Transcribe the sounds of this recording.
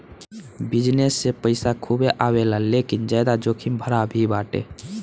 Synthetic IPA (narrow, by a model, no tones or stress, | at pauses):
bɪd͡ʒnesːepəɪsakʰubeʔaːwelalekind͡ʒajd̪ad͡ʒoːkʰimbʱəɾabʱibaːʈḛ